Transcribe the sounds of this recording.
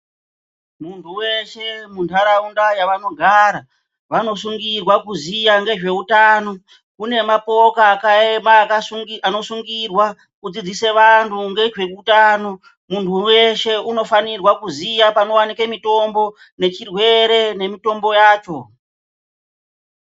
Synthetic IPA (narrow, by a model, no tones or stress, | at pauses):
muntʰuwe̞ʃe̞muntʰaɾaundajaʋano̞ɡʱaɾa | ʋano̞suŋɡirwakuzijaŋɡe̞ʐe̞utaːno̞ | kune̞mapo̞kaːkaemaːkauano̞suŋɡirwa | kud͡zid͡zise̞ʋantʰuŋɡe̞ʐe̞kutaːno̞ | muntʰuwe̞ʃe̞uno̞fanirwakuzijapano̞wanikemito̞mbo̞ | ne̞t͡ʃirwe̞ɾe̞ne̞mito̞mbo̞jaːt͡ʃo̞